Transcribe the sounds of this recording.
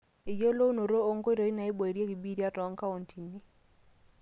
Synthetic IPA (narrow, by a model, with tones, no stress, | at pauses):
ɪ˨jo˦lo˦no˨ɾo˦o˦ŋɡo˦i˦ɾo˨i˦na˨ɪ˦bo˨i˨ɾje˦ɡi˨bi˦ɾja˦ɾɔ˨˦ŋka˦o˨ntʰi˨ni˦